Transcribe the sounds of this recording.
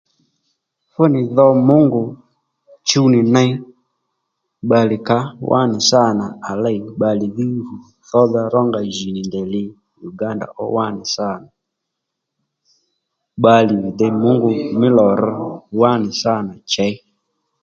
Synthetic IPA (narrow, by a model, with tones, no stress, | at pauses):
fo˦nɪ˨ðɔ˦mʊ˦ŋɡʊ˨ | t͡ʃi˦u˦ni˨na˦i˦ | ɓa˨li˨ka˦wʔa̰˦nɪ˨sa˦˨na˨a˨la˦i˨ɓa˨li˨ði˦ɾu˨ | θɔ˦ða˦ɾɔ˦ŋɡa˨ʒi˨ni˨ndɛ˨li˦ | ju˨ɡa˦nda̰˨ʔɔ̰˦wa˦nɪ˨sa˦˨na˨ | ɓa˦li˨i˨dɛ˨˦mʊ˦ŋɡʊ˨mɪ˦lɔ˨ɾɔ˦wa˦nɪ˨sa˦˨na˨t͡ʃa˦i˦